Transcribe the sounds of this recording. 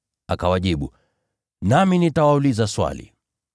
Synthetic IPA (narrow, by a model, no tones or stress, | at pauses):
akawaʄiɓu | naminitawaulizaswa̰lḭ